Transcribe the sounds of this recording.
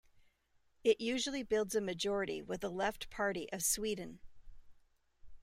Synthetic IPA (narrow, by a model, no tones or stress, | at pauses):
ɪʔjʉʒl̩ˠibɪlˠdzɨmɨd͡ʒɔɹɨɾḭwɪðəlɛftpʰɑɹɾiʔʌv̥swidⁿn̩